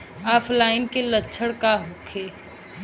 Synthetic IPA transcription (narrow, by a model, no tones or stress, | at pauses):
aːpʰlaːɪnkelətːʃʰəɽkaɦʊkʰeː